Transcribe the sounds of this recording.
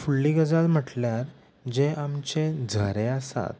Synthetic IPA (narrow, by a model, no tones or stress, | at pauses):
fuɭːiɡəd͡zalm̤əʈljaɾ | d͡ʑeamt͡ɕed͡zʱəɾeasa̰t̪̚